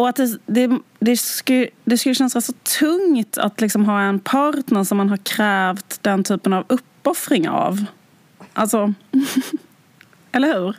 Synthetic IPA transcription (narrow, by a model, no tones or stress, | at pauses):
ɔat̪̚d̪ɛd̪ɛ | d̪ɛk̪d̪ɛskɵlːəɕɛnsasɔt̪ʰɵŋt̪ʰa̰t̪lɪksɔmɦɑːɛnpʰɑːɾt̪nəɾʂɔmːanɦaɾkʰɾɛːvt̪d̪ɛnt̪ʰyːpənavɵpːɔfɾɪŋa̰v | ʔalsɔ | ɛlːəɾhʉ̟ːɾ